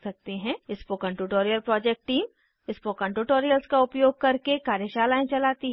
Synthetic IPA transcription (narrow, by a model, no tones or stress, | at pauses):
sɐk̚t̪eɦɛ̃ɪskokɐ̃ɳʈuːʈoːɾijəlpɾɔːd͡ʒɛk̚ʈʈiːm | ɪspokɐ̃ɳʈuːʈoːɾijəlskaʊpjoːɡ̚kɐɾkekaːɾjəʃaːlaːẽt͡ʃɐlaːt̪iɦ